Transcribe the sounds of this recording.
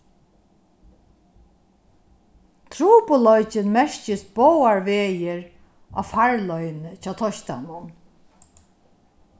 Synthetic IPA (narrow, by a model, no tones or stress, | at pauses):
t̪ʰɾuːpʊlɔjt͡ʃɪnmɛɹcɪsbɔwaɹʋeːjɪɹ | a̰ːfaɹlɔjnət͡ʃʰɑːt̪ʰɔʃt̪a̰nʊn